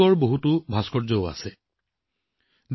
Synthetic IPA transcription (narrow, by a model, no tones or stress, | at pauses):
ɔɹboɦutʊbʱaskʰɔɹzɔʊa̰sɛ | d